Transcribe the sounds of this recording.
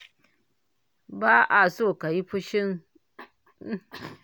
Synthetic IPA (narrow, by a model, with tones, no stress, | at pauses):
ba˦ʔa˨so˦˨ka˨ji˦pu˦ʃi˦ŋ˦